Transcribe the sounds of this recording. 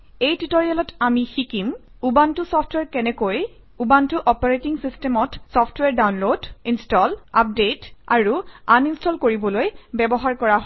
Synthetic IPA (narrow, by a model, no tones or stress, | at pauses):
ejtitoɹialɔtamixikim | ubantʊsɔpʰtʰwɛɹkɛnɛkoj | ubantʊʔɔpaɹetiŋsistɛmɔtsɔpʰtwɛɹdawnlodinstɔla̰p̚detaɹuaninstɔlkoɹibɔlojbɛbɔɦaɹkɔɹaɦ